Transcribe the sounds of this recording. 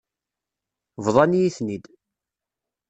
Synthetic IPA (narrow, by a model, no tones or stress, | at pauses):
vðˤɑnijiθnid̪